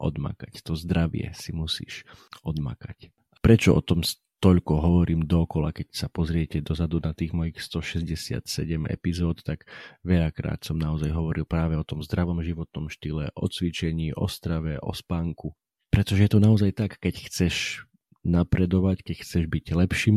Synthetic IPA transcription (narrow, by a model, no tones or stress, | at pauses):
ʔɔ̰d̪ma̰kact̪ɔzd̪ɾaʋɪɛ̰simusḭːʃɔd̪ma̰kac | ʔapɾɛt͡ʃɔɔ̰t̪ɔms | t̪ɔʎkɔɦɔʋɔɾʔiːmd̪ɔːkɔla̰kɛcsapɔzɾɪɛcɛd̪ɔzad̪unat̪iːɣmɔjixst̪ɔʃɛzɟɛsɪa̰t̪sɛɟɛmɛ̰pizɔːt̪t̪aɡʋɛʎakɾa̰ːt̪sɔmnaɔzajɦɔʋɔɾilpɾaːʋɛɔt̪ɔmzd̪ɾaʋɔmʒiʋɔt̪̚nɔmʃt̪ilɛʔɔ̰t͡sʋit͡ʃɛɲiːʔɔ̰st̪ɾaʋɛʔɔ̰spaːŋku | pɾɛt̪ɔʒɛjɛt̪ɔnaɔzajt̪akːɛcxt͡sɛʃ | napɾɛd̪ɔʋackɛcxt͡sɛʒbiɟlɛpʃiːm